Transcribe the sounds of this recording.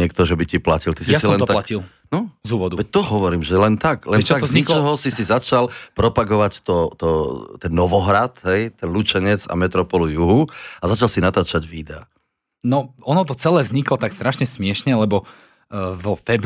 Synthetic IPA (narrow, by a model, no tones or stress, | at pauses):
ɪɛk̚t̪ɔʒɛbiciplacilt̪isijasiɔɛnt̪ɔt̪lacil | nɔzuːʋɔd̪uʋɛc̚t̪ɔɦɔʋɔɾiːmʒɛlɛnt̪aklɛnɛt͡ʃaaɔzɲiklɔɦɔsisizat͡ʃalpɾɔpaɡɔʋact̪ɔt̪ɔt̪ɛnːɔʋɔɦɾat̪ɦɛjt̪ɛnlut͡ʃɛɲɛd͡za̰mɛt̪ɾɔpɔlujuɦuazat͡ʃalsinat̪aːt͡ʃaɟʋiːd̪ɛa̰ | nɔɔnɔt̪ɔt͡sɛlɛːvzɲiklɔt̪akst̪ɾaʃɲɛsmɪɛʃɲɛlɛbɔ | vɔfɛb